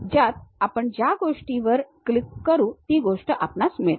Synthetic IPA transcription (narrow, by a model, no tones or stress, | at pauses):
d͡ʑjat̪apəɳd͡ʑjaɡoʂʈiʋəɾklikːəɾũːt̪iːɡoʂʈəʔapnasmiɭt̪